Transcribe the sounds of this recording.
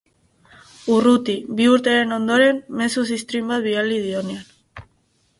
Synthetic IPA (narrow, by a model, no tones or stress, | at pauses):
urut̪ibiuɾt̪e̞ɾe̞no̞nd̪o̞ɾe̞mme̞susist̪ɾimbat̪̚bialið̞io̞nean